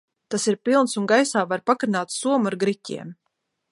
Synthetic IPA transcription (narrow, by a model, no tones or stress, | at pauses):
t̪asiɾpilˠnsunɡajsaːvaɾpakɾnaːt̪suɔmuaɾɡɾicʲḭɛm